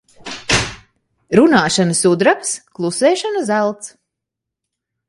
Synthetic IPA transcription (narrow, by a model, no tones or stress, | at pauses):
ɾunaːʃanəsud̪ɾapsklˠusɛːʃanəzælˠt̪s